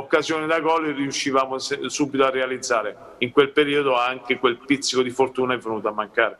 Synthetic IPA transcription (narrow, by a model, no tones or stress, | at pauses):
okːazjoːnid̪aɡɔleriuʃːivaːmosɛsuːbit̪oarːealid̪zːaːɾe | iŋkwelpeɾiːod̪oaŋkekwelpit̪sːikod̪ifort̪uːnaɛvːenuːt̪oamːaŋkaːɾe